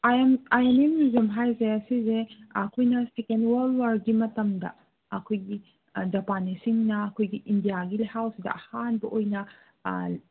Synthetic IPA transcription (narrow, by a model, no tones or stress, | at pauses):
ajmajememizɐmɦajzeɐsizeɐkʰojnɐsikenwalwaɾɡimɐtɐmdɐ̰ | ɐkʰojɡi | d͡ʒɐpanisiŋnɐɐkʰojɡiʔindijaɡilehawsidɐ̰ɐhanbɐʔojnɐ̰